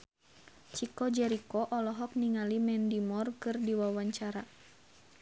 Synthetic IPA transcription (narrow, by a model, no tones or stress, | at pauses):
t͡ʃikɔd͡ʒɛɾikɔʔɔlɔɦɔk̚niŋalimɛndimɔrkɨrdiwawaɲt͡ʃaɾa